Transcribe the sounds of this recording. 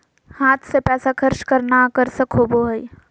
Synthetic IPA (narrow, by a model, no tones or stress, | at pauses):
haːt̪ʰsepɛːsakʰəɾʃkəɾnakəɾsəkʰoːboɦəi